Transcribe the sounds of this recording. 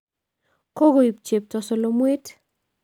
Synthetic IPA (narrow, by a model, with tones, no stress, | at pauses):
ko˦ɡo˨i˨p̚t͡ʃe˨p̚tɔ˨so˨lo˦mwe˦t